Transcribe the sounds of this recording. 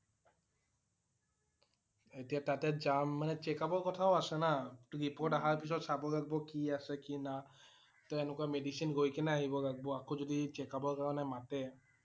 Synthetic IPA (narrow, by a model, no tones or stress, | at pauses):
etijatatɛzamːanɛt͡ʃekabɔɹkɔtʰaoasɛnaɹipʰoɹʈaɦaɹpisɔtsabɔɹaɡ̚bɔkiasɛkina | tɔenɛkuamedisinɡojkɛnɛaɦibɔɹaɡ̚bɔakozodit͡ʃɛkabɔɹkaɹɔnɛmatɛ